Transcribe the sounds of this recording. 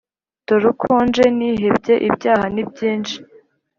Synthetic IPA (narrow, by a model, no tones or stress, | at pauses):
toɾukʰoːnd͡ʒe̞niːɦebɟe̞ʔibɟaːhanib̚ɟiːnd͡ʒi